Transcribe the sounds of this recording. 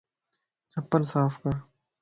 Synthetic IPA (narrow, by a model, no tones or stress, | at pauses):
t͡ʃɐpːəlsaːfkəɾ